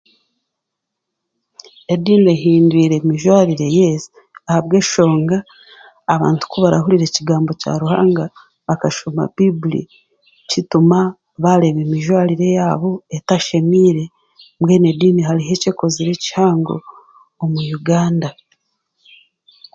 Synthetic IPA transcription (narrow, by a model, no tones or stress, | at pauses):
ediːneɦiːndwiːɾe̞miʒwaːɾiɾe̞jesi | ahaβɡe̞ːʃo̞ːŋɡaː | βa̰ːntu̥kuβaɾa̰ɦuɾiɾe̞ciɡaːmbo̞ca̰ɾuha̰ːŋɡa | βakaʃoma̰b̥ibulḭ | cituma | βaɾe̞βemiʒwaːɾiɾe̞jaːβo̞etaʃe̞miːɾe̞ | mwe̞ːne̞diːniɦaɾiɦe̞ce̞ko̞ziɾe̞ci̥haːŋɡo̞̰ː | mujuɡaːnda